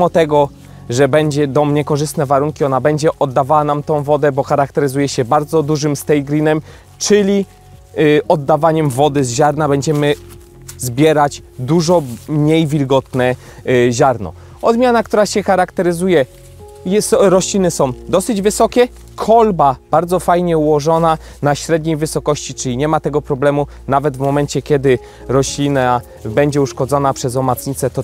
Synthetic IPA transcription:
mɔt̪ɛɡɔ | ʐɛbɛɲd͡ʑɛd̪ɔmɲɛkɔʐɘst̪nɛvaɾuŋkʲiɔnabɛɲd͡ʑɛʔɔd̪ːavawanamt̪ɔ̃w̃vɔd̪ɛbɔxaɾakt̪ɛɾɘzujɛɕɛbaɾd̪zɔd̪uʐɘmst̪ɛjɡɾʲinɛm | t͡ʂɘlʲi | ɔd̪ːavaɲɛmvɔd̪ɘzʑaɾnabɛɲd͡ʑɛmɘ | zbʲjɛɾad͡ʑd̪uʐɔmɲejvʲilɡɔt̪nɛ | ʑaɾnɔ̰ | ɔzmʲjanakt̪uɾaɕɛxaɾakt̪ɛɾɘzujɛ | jɛsɾɔɕlʲinɘsɔ̃w̃d̪ɔsɘd͡ʑvɘsɔkʲɛ | kʰɔlbab̥aɾd̪zɔfajɲɛuwɔʐɔna | naɕɾɛd̪ɲejvɘsɔkɔɕt͡ɕit͡ʂɘlʲiɲɛmat̪ɛɡɔpɾɔblɛmu | navɛd̪vmɔmɛnt͡ɕɛkʲɛd̪ɘ | ɾɔɕlʲina | bɛɲd͡ʑɛuʂkɔd̪zɔnapʂɛzɔmat̪sɲit̪sɛt̪ɔ

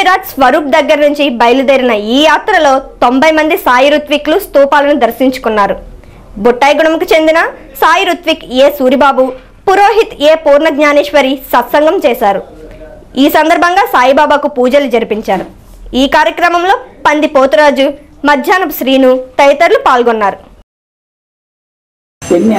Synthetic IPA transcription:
ɾaːtsʋɐɾuːp̚d̪ɐɡːɐɾɐnuɲt͡ʃibɐjlud̪ɐɾinɐiːjaːt̪ɾɐlo̞ːt̪o̞mbɐjmɐnd̪isaːjiɾut̪ʋiklust̪uːpaːlɐnud̪ɐɾsiɲt͡ʃu̥kunːaːɾu | buʈːaːjɡuɳɐmkut͡ʃe̞nd̪inɐ | saːjiɾut̪ʋikeːsuːɾibaːbu | puɾo̞ːɦit̪eːpuːɾɳɐɡɲaːnɛːʃʋɐɾisɐt̪sɐŋɡɐmt͡ʃɛːʃaːɾu | iːsɐnd̪ɐɾbʱɐŋɡaːsaːjibaːbaːkupuːd͡ʒɐlud͡ʒɐɾipiɲt͡ʃaːɾu | iːkaːɾjɐkɾɐmɐmlo̞ːpɐnd̪ipoːt̪uɾaːd͡ʒu | mɐd̪ʱjaːnɐpʃɾiːnut̪ɐjɐt̪ɐɾlupaːlɡonːaːɾu

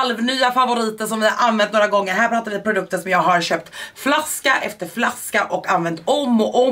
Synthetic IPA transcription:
lvnyːafavʊɾiːt̪əʂɔmvɪhaɾʔanvɛnt̪noːɾaɡɔŋːəɾɦæːpʰɾɑːt̪aɾvɪpʰɾʊd̪ɵk̚t̪ənʂɔmjɑːɡɦaɾɕøːp̚t̪flaskaʔɛft̪əɾflaskaʔɔkanvɛnt̪ɔmːɔʔɔ

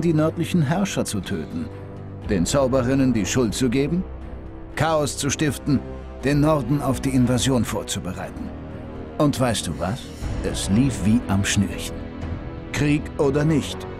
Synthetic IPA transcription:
diːnœɐtlɪçn̩ɦɛɐʃɐt͡sutʰø̰ːtn̩ | d̥eːnt͡saʊbəʁɪnəndiːʃʊlt̚t͡suɡeːbm̩ | kʰaːɔst͡suʃtɪftn̩ | d̥eːnːɔʁɐdn̩aʊfd̥iːɪnvazjoːnfoːɐt͡subəʁa̰ɪtn̩ | ʔʊntv̥aɪst̚d̥ṵːva̰s | ʔɛsliːfv̥iːʔamʃniːçn̩ | kʁ̥iːkʔoːdɐnɪçt

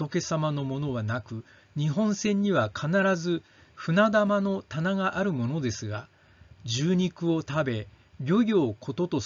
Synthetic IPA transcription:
o̞ke̞samano̞mo̞no̞βanakɯ̟ | ɲ̟iɦõ̞ɰ̃sẽ̞ɲ̟ːiβakʰanaɾazɨ | ɸɯ̟nad̪amano̞t̪anaɡaʔaɾɯ̟mo̞no̞d̪e̞sɨɡa | d͡ʑɨːɲ̟ikɯ̟o̞t̪abe̞ | ɡʲo̞ɡʲo̞ːkʰo̞t̪o̞t̪o̞

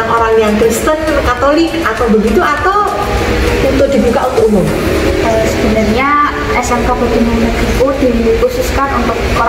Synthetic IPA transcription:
ŋoɾaŋjaŋkɾist̪ənkat̪olɪkat̪awbəɡit̪uʔat̪aw | uunt̪ʊk̚d̪̥i̤bukaʔunt̪ʊk̚umʊm | əsəb̥ənarɲa | ɛsaŋkabət̪inanaɡikud̥ikusʊskanunt̪ʊk̚ | oɾ

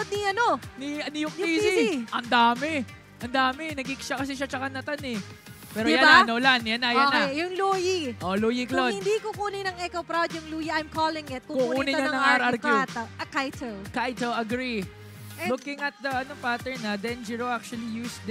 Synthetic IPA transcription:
od̪̚niɐnoniɐnɪjʊk̪̚isiʔɐnd̪aːmɛ | ʔɐnd̪aːmɛnɐɡɪkʃɐkɐs̬ɛʃat͡ʃɐkanɐt̪anɛ | pɛːɾojjananolanjanɐjak̪aejʊŋlojiʔoloːjiklodɪnd̪ikʊkuːnɪnɐŋɛkowpɾawd̪jʊŋlujɐʔɐjmkoːlɪŋjɛt̪̚kukukunuːnɪɲaɐnɐŋaːɾɐɐɾkut̪ɐɐkajt̪ɛlkajt̪olɐɡɾi | lukɪŋɐt̪̚d̪ɐɐnopat̪ɛɹnɐd̪ɛnd͡ʒiɹoʔak̚t͡ʃuɐlijuːsd̪

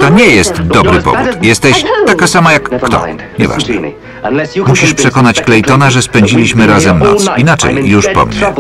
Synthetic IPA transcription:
t̪ɔɲɛjɛst̪d̪ɔbɾɘpɔ̰vṵt̪jɛst̪ɛɕt̪ːakasamajakːt̪ɔ̰ | ɲɛva̰ʐnɛ̰ | muɕiʂpʂɛkɔnat͡ɕklɛjt̪ɔnaʐɛspɛɲd͡ʑilʲiɕmɘɾazɛmnɔ̰t̪sinat͡ʂɛ̰jːuʂpɔ̰mɲɛ̰

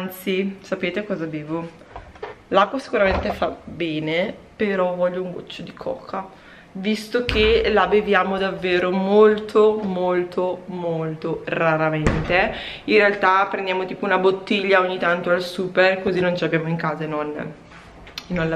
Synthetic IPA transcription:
nt̪sisapeːt̪ekɔːzabeːvo | lakːwasi̥kuɾament̪efabɛːnepeɾɔvɔʎːouŋɡo̰t͡ʃːod̪ikʰɔ̰ːkʰa | vist̪ok̟ʰelabevjaːmod̪avːeːɾomolt̪ʰomolt̪ʰomolt̪oraɾament̪e | inrealt̪apɾẽnd̪jaːmot̪iːpounabot̪ːiʎːaoɲːit̪ant̪oalsuːperkozinont͡ʃeabjaːmoiŋkaːzanon | noa

